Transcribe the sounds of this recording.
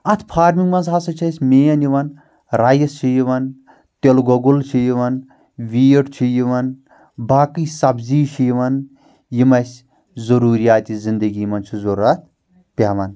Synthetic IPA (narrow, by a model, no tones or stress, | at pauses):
ɐt̪ʰpʰaːɾmiŋɡmɐnzɦasɐt͡ʃʰɐsʲmeːjɐnjiʋɐn | ɾaːjɐst͡ʃʰijiʋɐn | t̪elɡoɡult͡ʃʰijiʋɐn | ʋiːʈt͡ʃʰijiʋɐn | baːkiːsɐbziːʃʰijiʋɐn | jimɐsʲ | zɐɾuːɾijaːt̪izind̪ɐɡiːmɐnt͡ʃʰuzoɾɐt̪̚ʰ | pʲaːʋɐn